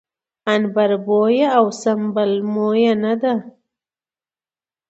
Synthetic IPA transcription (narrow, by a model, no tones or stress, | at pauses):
anbaɾbojaawsambalmojanad̪a